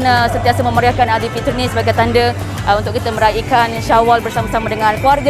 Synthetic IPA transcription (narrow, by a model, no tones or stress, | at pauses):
nəsənt̪iasəmə̃məɾiakanad̪ipit̪ərnisəbaɡajt̪andə | unt̪ʊkːit̪əmə̃ɾaʔikanʃawalbərsamasamadəŋãnkuwarɡ